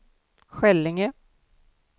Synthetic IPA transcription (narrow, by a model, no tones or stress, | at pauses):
ɧɛlːɪŋə